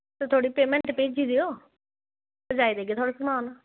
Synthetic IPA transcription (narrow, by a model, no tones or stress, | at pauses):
t̪et̪ʰoːɽiːpeːmɛ̃ɳʈpeːd͡ʒiːd̪iːoː | d͡ʒaːid̪eːɡeːt̪ʰoaːɽeːsəmaːnaː